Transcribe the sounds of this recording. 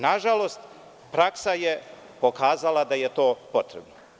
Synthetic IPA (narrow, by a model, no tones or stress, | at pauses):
naʒalo̞st̪ | pɾaksaje | po̞kaːzalˠad̪ajet̪o̞ːpo̞t̪ɾebna